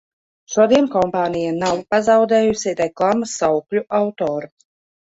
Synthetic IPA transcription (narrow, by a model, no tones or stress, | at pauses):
ʃuɔd̪iɛnkɔmpaːnijanawpazawd̪ɛːjusiɾɛklˠaːmasːawklʲuʔawt̪oːɾu